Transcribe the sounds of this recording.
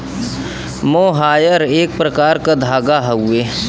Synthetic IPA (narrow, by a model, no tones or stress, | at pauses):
moːɦaːjəɾeːk̚pɾɐkaːɾkad̪ʱaːɡaɦəʊe